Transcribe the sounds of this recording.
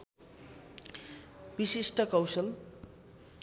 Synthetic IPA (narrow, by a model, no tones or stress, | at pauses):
bisisʈʌkʌwsʌl